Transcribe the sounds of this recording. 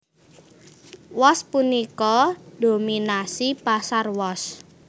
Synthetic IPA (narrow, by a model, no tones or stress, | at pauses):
wɔspunikɔd̥ominasipasarwɔs